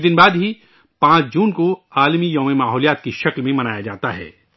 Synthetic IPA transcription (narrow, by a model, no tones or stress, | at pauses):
d̪ɪnbaːd̪ɦi | pãːt͡ʃd͡ʒuːnkoaːlmijɐːmemaːɦɔːlijaːt̪̚kiʃɐklmẽmɐnaːjad͡ʒa̰ːt̪aɦɛ̰ː